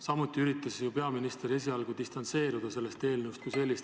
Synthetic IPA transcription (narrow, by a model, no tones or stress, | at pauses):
sɑmut̪ˑːiyɾit̪ːˑɑsjupe̞ɑminist̪eɾe̞s̬iɑlɡ̥ud̪̥ist̪ɑnt̪se̞ːɾud̪̥ɑse̞lːest̪e̞ːlnəwst̪kuse̞lːist̪